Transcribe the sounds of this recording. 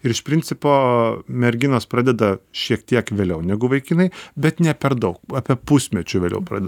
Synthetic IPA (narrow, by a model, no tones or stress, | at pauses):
ɪɾɪʃpʲɾʲɪnʲt͡s̪sʲɪpoːmʲɛɾʲɡʲɪnoːspɾɑːd̪ʲɛd̪ɐʃʲiɛkt̪ʲiɛkʋʲeːlʲɛʊnʲɛɡʊʋɐɪkʲiːnɐɪbʲɛt̪nʲɛpʲɛɾd̪ɐʊkɑːpʲiɛpʊsʲmʲɛt͡ʃʲʊʋʲeːlʲɛ̰ʊpɾɑ̰ːd̪ʲɛ